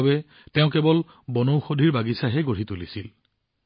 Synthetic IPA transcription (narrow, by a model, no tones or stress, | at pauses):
bɛ | tɛʊ̃kɛbɔl | bɔnowxodʱiɹbaɡisaɦɛɡoɹ̤itulisil